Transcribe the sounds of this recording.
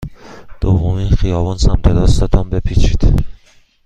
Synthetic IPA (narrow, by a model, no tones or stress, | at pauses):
d̪̥ovːominχijɒːvɒnsæmɾʰed̪ɒsd̪ɒd̪ɒmbepʰit͡ʃʰid̪̥